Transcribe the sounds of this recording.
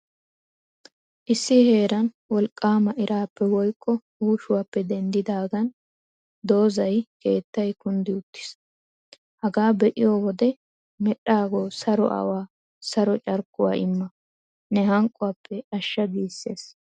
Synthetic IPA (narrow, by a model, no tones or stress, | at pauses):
ʔɪsːɪhe̞ːɾɐn | wɔlkʼːaːmɐʔɪɾʔaːpːɛwɔjkʼːɔhuːʃʊwaːpːɛd̪ɛnd̪ɪd̪aːɡɐn | d̪o̞ːzɐjke̞ːt̪ːɐjkʊnd̪ɪʊt̪ːɪ̥s | hɐɡaːbɛʔɪjoːwɔd̪ɛ | mɛɗːaːɡoːsɐɾɔ̰ʔɐ̰waː | sɐɾɔt͡ʃʼɐɾkːʊwa̰ːɪmːɐ | nɛɦɐŋkʼːʊwapʰːɛɐʃːɐɡiːsːe̞ːs